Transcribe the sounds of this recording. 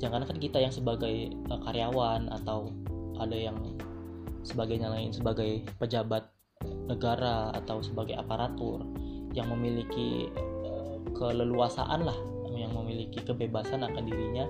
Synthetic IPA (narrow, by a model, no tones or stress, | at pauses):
d͡ʒaŋkankankit̪ajaŋsəbaɡaj | əkaɾeawanʔa̰t̪awʔadajaŋ | səbaɡajɲala̰nsəbaɡajpəd͡ʒabat̪̚ | nəɡaɾaːa̰t̪awsəbaɡajapaɾat̪ʊr | jaŋməmilikḭ | kələluasa̰ʔanlah | mjaŋməmilikikəbebasanakandiɾiɲa